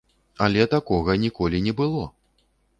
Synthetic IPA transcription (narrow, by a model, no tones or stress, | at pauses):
alʲɛt̪akɔɣɐnʲikɔlʲinʲɛbɨlˠɔ